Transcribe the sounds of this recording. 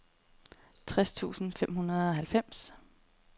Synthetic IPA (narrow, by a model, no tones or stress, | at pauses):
t͡sʰʁɛst͡sʰṵːsn̩fem̰ɦunɐð̞̩ˠɒ̽ɦælfem̰s